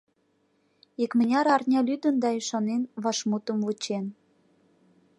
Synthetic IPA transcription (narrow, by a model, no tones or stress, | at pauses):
ikmə̆nʲɑɾɑrnʲɑlyd̪ənd̪ɑiʃɑnenβɑʃmut̪əmvut͡ɕen